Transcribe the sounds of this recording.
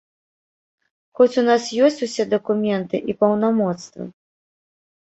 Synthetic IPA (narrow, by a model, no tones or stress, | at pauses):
xɔt͡sʲunasjɔsʲt͡sʲusʲɛd̪ɐkumʲɛnt̪ɨʔipɐwnamɔt̪st̪vɐ̰